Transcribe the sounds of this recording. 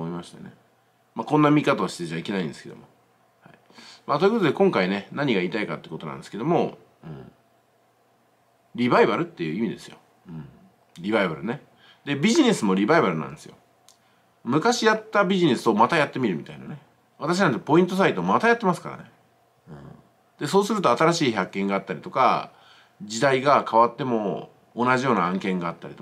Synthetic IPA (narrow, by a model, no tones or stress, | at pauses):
oimaɕi̥t̪a̰ne̞̰ | makõ̞nːamʲikat̪aːɕi̥t̪e̞ʑaike̞naĩnd̪e̞sɨ̥ke̞d̪o̞̰mo̞ | hai | mat̪o̞jɯ̟kot̪od̪e̞kõŋkaine̞naɲ̟iɡaiːt̪aikat̪ekot̪oã̰nd̪eɨ̥ke̞d̪o̞mo̞ | ɯ̟̰̃ː | ɾʲiβaibaɾɯ̟t̪ːe̞jɯ̟imʲid̪e̞sɨ̥jo̞̰ | ɯ̃ | ɾʲiβaibaɾɯ̟ne̞ | d̪e̞bʲiʑine̞sɨmo̞ɾʲibaibaɾɯ̟na̰nd̪e̞sɨjo̞̰ | mɯ̟kaɕijat̪ːabʲiʑine̞sɨo̞mat̪ajat̪ːe̞mʲiɾɯ̟mʲi̥t̪aina̰ne | βat̪aɕinãnt̪epo̞ĩnt̪̬o̞s̬ait̪o̞mat̪ajat̪ːe̞masɨ̥kaɾa̰ne̞ | ɯ̰̃ | d̪e̞so̞ːsɨɾɯ̟t̪o̞at̪aɾaɕiːçakːẽ̞ŋɡaːt̪ːaɾʲit̪o̞ka̰ | d͡ʑid̪aiɡakʰaβat̪ːe̞mo̞ː | naʑijo̞ːnaãŋkẽ̞ŋɡaːt̪ːaɾit̪o